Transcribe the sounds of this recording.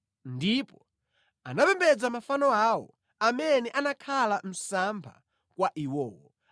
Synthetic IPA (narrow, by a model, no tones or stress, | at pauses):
ndipɔ | anapɛmbɛd͡zamafanɔawɔ̰ | amɛnɛʔanakʰalam̩sampʰa̰ | kwaʔiwɔːwɔ̰